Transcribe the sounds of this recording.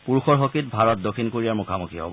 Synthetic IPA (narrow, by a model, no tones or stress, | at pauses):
puɹuxɔɹɦokit̚bʱaɹɔt̚dokʰinkoɹijaɹmukʰamukʰiɦɔ̰b